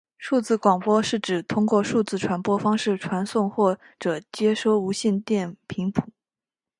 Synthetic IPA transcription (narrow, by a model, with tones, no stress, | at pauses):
ʂu˥˧t͡sɹ̩˥˩kwɑ˨˩ŋpwɔ˥ʂɻ̩˥˩ʈ͡ʂɻ̩˨˩t̪ʰʊ˥ŋkwɔ˥˧ʂu˥˧t͡sɹ̩˥˩ʈ͡ʂʰwa˧˥npwɔ˥fɑ˥ŋʂɻ̩˥˩ʈ͡ʂʰwa˧˥nsʊ˥˧ŋxwɔ˥˩ | ʈ͡ʂɤ˨˩t͡ɕjɛ˥ʂo˥ʊu˧˥ɕi˥˧nt̪jɛ˥˩npʰi˧˥ŋpʰu̥˨˩˦